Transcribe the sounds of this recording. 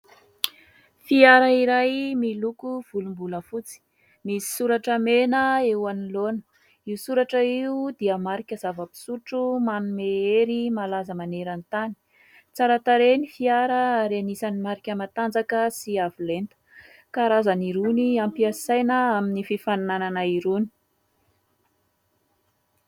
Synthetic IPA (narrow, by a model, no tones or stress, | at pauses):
fiaɾaiɾajmilukuv̥ulumbuləfut͡si̥ | misi̥suɾaʈ͡ʂəmenəewanilonə̥ | iusuɾaʈ͡ʂəiud̪iəmaɾikʲəzavəpi̥suʈ͡ʂumanumeeɾimalazəmaneɾant̪ani̥ | t͡saɾat̪aɾenifiaɾəɾenisanimaɾikʲəmat̪and͡zakəsiavlent̪ə̥ | kaɾazaniɾuniampiasajnəaminififannananaiɾuni̥